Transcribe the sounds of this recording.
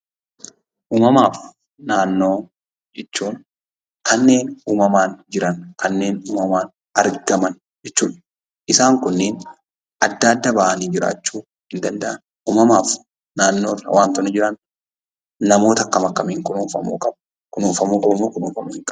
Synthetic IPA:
ʔuːmɐmaːf | naːnːo̞ː | d͡ʒɛt͡ʃːuːn | kɐnːe̞ːnuːmɐmaːnd͡ʒɪɾɐnkɐnːe̞ːnuːmɐmaːn | ɐɾɡɐmɐn | d͡ʒɛt͡ʃːuːᶑɐ̥ | ɪsaːŋkʊnːeːn | ʔɐd̪ːaːd̪ːɐbaʔɐniːd͡ʒɪɾa̰ːt͡ʃːuː | hɪnd̪ɐnd̪ɐʔɐn | ʔuːmɐmaːf | naːnːo̞ːrɐ̰waːnt̪ɔnɪd͡ʒɪɾɐn | nɐmo̞ːt̪ɐkːɐmɐkːɐmiːŋkʊnuːfɐmṵːkʼɐb | kʊnuːfɐmuːkʼɐbɐmːoːkʊnuːfɐmuːhɪŋkʼɐb

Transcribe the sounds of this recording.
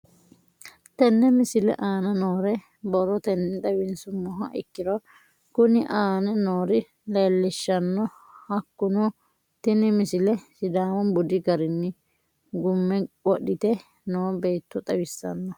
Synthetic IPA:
t̪ɛnːɛmɪsɪlɛ̰ʔaːnɐnoːɾɛ | bɔɾɔt̪ɛnːɪt̪ɐwɪnsʊmːɔɦɐ̰ʔɪ̰kːɪɾɔ | kʊnɪʔaːnɛnoːɾɪ | leːlːɪʃːɐnːɔ | hɐkːʊnɔ | t̪ɛnːɪmɪsɪlɛsɪd̪aːwɔnbʊd̪ɪɡɐɾɪnːɪ | ɡʊmːɛɔɗːɪt̪ɛ | noːbeːt̪ːɔt̪ʼɐwɪsːɐ̰nːɔ

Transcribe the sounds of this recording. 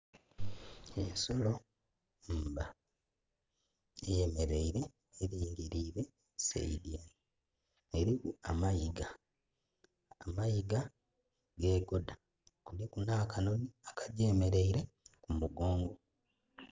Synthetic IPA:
enso̞lo̞ | mba | ejeme̞ɾeiɾe̞ː | ɾieɾiɾiɾe̞ | sḛidiaji | eɾikuamajiɡa | majiɡa | ɡe̞ːɡoda | kulekunaːkanoniakaɟeːme̞ɾe̞iɾe̞kumuɡo̞ːŋɡo̞

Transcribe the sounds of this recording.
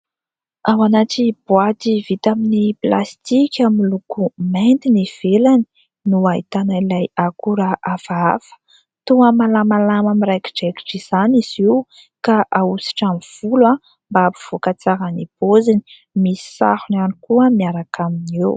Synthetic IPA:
awanaʈ͡ʂib̥wat̪ivit̪aminiplast̪ikʲamilukument̪iniv̥elani̥ | nuait̪anailajakuɾaʔafaa̰fə̥ | t̪uəmalamalamamiɾajki̥ɖ͡ʐeki̥ʈ͡ʂiz̥aniz̥iw | kaʔausi̥ʈ͡ʂamiv̥ulwa | mbaapuv̥okat͡saɾanib̥ozini | misi̥sa̰hunanikuəmiaɾakʰaminew

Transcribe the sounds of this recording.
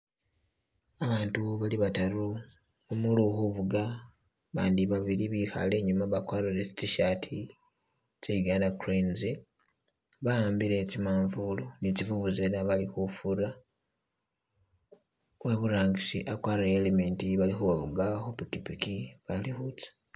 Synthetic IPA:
aβaːntuβaliβataɾu | omuluxuβuɡa | βaːndiβaβiɾiβixa̰le̞ːɲumaβakwaːɾiɾet͡ʃi̥t͡ʃiʃaːtʰi | t͡ʃeiɡaːndakuɾenzi | βaaːmbiɾe̞t͡ʃimaːɱvulonit͡ʃivuβuzelaβalixufuɾa | weβuɾaːŋɡisiʔakwaːɾajeleme̞ːntiβalixuβaβuɡaxopukipikiβalixut͡sḁ

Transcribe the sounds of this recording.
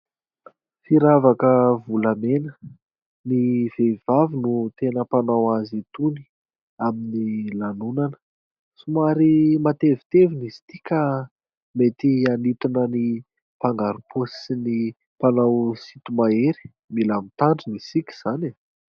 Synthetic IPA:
fiɾavakəvulamenə | nivev̥avinut̪enəpanawazit̪uni̥ | aminilanunanə̥ | sumaɾimat̪evi̥t̪evinizi̥t̪ikʲa | met̪ianit̪unəni | paŋɡaɾupusini | panawsit̪umaeɾi̥ | milamit̪aɳɖ͡ʐinisikʲi̥z̥ane

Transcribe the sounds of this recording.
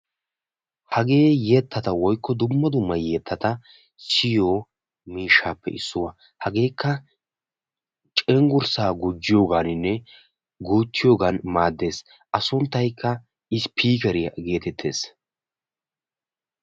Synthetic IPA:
hɐɡe̞ːjeːt̪ːɐt̪ɐwɔjkːɔd̪ʊmːɐd̪ʊmːɐjeːt̪ʰːɐt̪ɐ | sɪjoː | miːʃːaːpːɛ̰ʔɪ̰sːʊwɐ | hɐɡe̞ːkːɐ | t͡ʃʼɛŋɡʊɾsaːɡʊd͡ʒːɪjoːɡaːnɪnːɛ | ɡuːt̪ːɪjo̞ːɡanmaːd̪ːe̞ːs | ʔɐsʊnt̪ːɐjkːɐ | ʔɪspʰiːkɛɾɪjɐ̰ɡe̞ːt̪ɛt̪ʰːe̞̰ːs

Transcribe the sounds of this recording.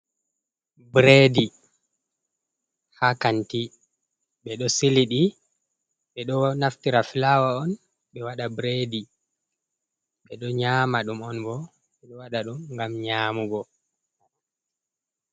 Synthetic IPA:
bɾedi | hakanti | ɓɛɗɔsiliɗi | ɓɛɗɔnaftiɾafilawaɔn | ɓɛwaɗabɾeːdi | ɓɛɗɔɲaːmaɗumɔnbɔ | ɓɛɗɔwaɗaɗumŋɡamɲaːmuɡɔ

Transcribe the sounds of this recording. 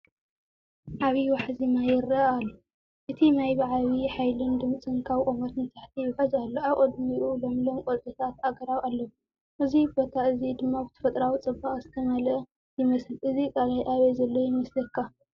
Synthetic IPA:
ʕaβiwaħzinajɪrɐːlːu | ʔɨt̪ʰinajβaʕaβiħajlɨnd̪ɨmt͡sʼɨnkʰaβkʼomɐt̪mɨt̪ʰʼaħt̪ʰijɪħɐzalːoʔaβʔʼɐd̪miʔulo̞mlomkʼot̪t̪ʼɐt̪ʰat̪aɡɐɾawalːɐw | ʔɨzibo̞t̪ʰaɨzid̪ɨmːabɨt̪ʰɐ̥fɐt̪ʼɾawit͡sʼɨbːaχʼzɨt̪ʰɐmalɨ | jɪmɐsɨlʔɨzikʼalajʔaβezɐlːojɪmɐslɐkʰːa

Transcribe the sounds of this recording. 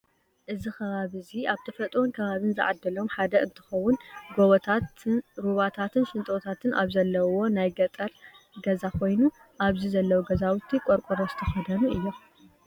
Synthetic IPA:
ʔɨzixʰɐβaβɨziʔaβt̪ʰɐfɐt̪ʼwonkʰɐβaβɨnzɨ̰ʕad̪ːɐlo̞mħad̪ɐʔɨnt̪ʰɨ̥xɐwːʊnɡoβɐt̪ʰatɾuβat̪ʰat̪ʰɨnsɨnt̪ʼot̪ʰat̪ʰɨnʔaβzɐlːɐwo̞najɡɐt̪ʼɐɾ | ɡɐzakʰo̞jnu | ʔaβzizɐlːɐwuɡɐzawut̪ʰːikʼoɾkʼoɾozɨt̪ʰɐxɐd̪ɐnuʔɨjːo

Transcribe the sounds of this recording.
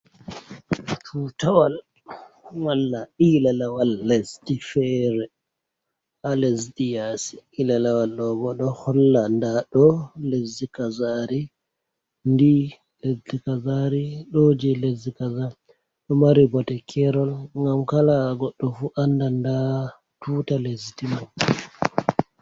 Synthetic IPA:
fʰutawal | walːailalawalːɛsdifɛɾɛ | alesdijasi̥ilalawalːɔbɔɗɔhɔlːandaɗɔlezːikazaɾi | ndi | lezdikazaɾiɗod͡ʒɛlezikaza | ɗɔmaɾibɔtɛkʰɛɾɔlŋɡamkalaɡɔɗːɔfuʔandanda | tuːtaleztimaɲ

